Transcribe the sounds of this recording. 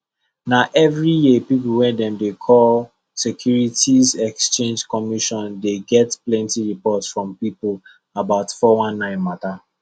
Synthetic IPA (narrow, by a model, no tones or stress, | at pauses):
naʔɛvɹijepipulwɛ̃ndɛ̃mdekʰɔl | sɛkʰjuɹitizɛkst͡ʃẽnd͡ʒkɔmiʃɔ̃ndeɡɛtplɛ̃ntiɹipɔtsfɹɔ̃mpipul | abaʊtfɔwãnːãɪ̃nmata